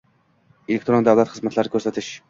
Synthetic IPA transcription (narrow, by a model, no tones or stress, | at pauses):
elɪkt̪ɾond̪ævlˠɛt̪χəzmæt̪ʰlˠɑɾɪkʲʰøɾsɛt̪ʰɪʃ